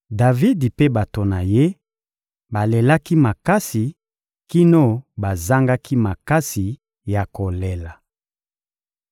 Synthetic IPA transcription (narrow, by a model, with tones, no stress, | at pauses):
da˨vi˦di˨pe˦ba˨to˨na˨je˦ | ba˨le˨la˦ki˦ma˨ka˦si˨ | ki˦no˦ba˨za˦ŋɡa˦kʰi˦ma˨ka˦si˨ | ja˨ko˨le˨la˨